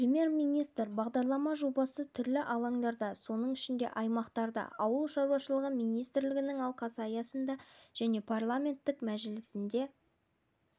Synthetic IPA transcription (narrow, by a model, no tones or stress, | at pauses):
prʲemʲje̞ɾmijnijst̪ɾbɑʁd̪ɑɾlˠɑmɑʒobɑsət̪ʰʏɾlɪʔɑlˠɑŋd̪ɑɾd̪ɑso̞nəɴɪʃɪnd̪e̞̰ʔɑjmɑqt̪ɑɾd̪ɑ̰ɑwəlˠʃɑɾwɑʃəlˠəʁəmijnijst̪ɾlɪɡʲɪnɪŋɑlˠqɑsɑjɑsənd̪ɑʒ̥æne̞pʰarlˠamʲe̞nt̪ːɪkmæʒɪlɪsɪnd̪e̞